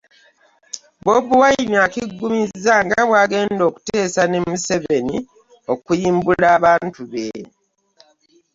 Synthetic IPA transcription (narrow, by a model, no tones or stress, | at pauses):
bobuwajiniakiɡːumizːaŋɡaβwaːɡe̞ːndo̞ːku̥teːsane̞museβe̞ni | o̞kujiːmbulaːβaːntuβe